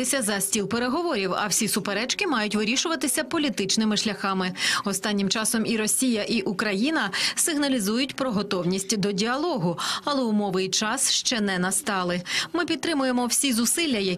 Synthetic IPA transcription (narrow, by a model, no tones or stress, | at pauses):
ɪsʲɐzɐsʲtʲilˠpeɾeɦɔʋɔɾʲiwɐ̰wsʲisʊpeɾɛt͡ʃkɪmɑjʊtʲʋɪɾʲiʃʊʋɐt̪ɪsʲɐpɔlʲit̪ɪt͡ʃnɪmɪʃlʲɐxɑmɪɔst̪ɑnʲːimt͡ʃɑsɔmiɾɔsʲijɐʔiʔukɾɐjinɐsɪɦnɐlʲizujʊtʲpɾɔɦɔt̪ɔwnʲisʲtʲd̪ɔdʲiɐlˠɔɦʊɐlˠɛʊmɔʋɪjt͡ʃɑsʃt͡ʃɛnɛnɐst̪ɑlˠɪmɪpʲid̪t̪ɾɪmʊjemɔwsʲizʊsɪlʲːɐjɐ